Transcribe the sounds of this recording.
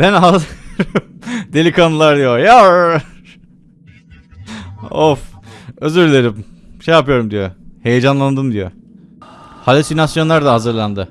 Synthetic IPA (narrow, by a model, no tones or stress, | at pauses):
bænɦazɾmd̪e̞lʲikʰanlˠaɾd̪ijoja | oføzyɾlʲe̞ɾimʃejapɯjo̞ɾumd̪ijohe̞jed͡ʒanlˠand̪ɯmd̪ijø̰ | halʲesinasjo̞nlˠaɾd̪aɦazɯɾlˠand̪ɯ